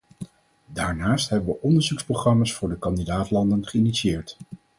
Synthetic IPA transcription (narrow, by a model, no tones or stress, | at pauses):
daːɹnaːstɦɛbəʋəʔɔndəɹzuksproχrɑmaːsfʊːɹdəkɑndidaːtlɑndənχəinitsiɪːɹt